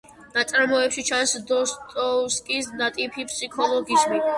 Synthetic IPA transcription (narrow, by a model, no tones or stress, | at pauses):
nat̪sʼaɾmɔɛpʃit͡ʃʰansd̪ɔst̪ʼɔskʼisnat̪ʼipʰipʰʼsikʰɔlˠɔɡismi